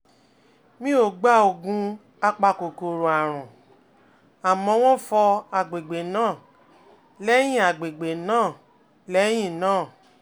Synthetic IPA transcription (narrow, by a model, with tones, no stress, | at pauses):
mĩ˦o˦˨ɡ͡ba˦o˨ɡũ˧˦ | a˧k͡pa˧ko˨ko˨ɾo˨a˨ɾ̃ũ˨ | a˨mɔ̃˧˦w̃ɔ̃˦fɔ˧a˨ɡ͡be˨ɡ͡be˨nãː˦˨ | lɛ˦j̃ĩ˦a˨ɡ͡be˨ɡ͡be˨nãː˦˨ | lɛ˦j̃ĩ˦˨nãː˦˨